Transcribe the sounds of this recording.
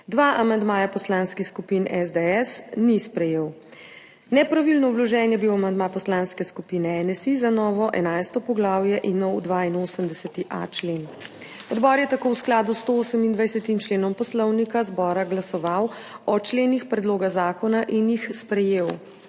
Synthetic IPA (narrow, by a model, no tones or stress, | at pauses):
d̪ʋaʔamand̪maːjapɔslaːnskixskupinɛzd̪ɛɛsnispɾɛjeːw | nɛpɾaʋilnɔwlɔʒɛnjɛbiwamand̪maːpɔslaːnskɛskupiːnɛɛnɛsizanɔːʋɔʔɛ̰najst̪ɔpɔɡlaːwjɛʔinɔwd̪ʋainoːsəmd̪ɛsɛt̪iʔa̰t͡ʃlen | ɔd̪bɔːɾjɛt̪akowsklaːd̪ust̪ooːsəmind̪ʋajsɛt̪imt͡ʃleːnɔmpɔslɔwnikazbɔːɾaɡlasɔʋaw | ɔt͡ʃleːnixpɾɛd̪loːɡazaːkɔnaʔinjixspɾɛjeːw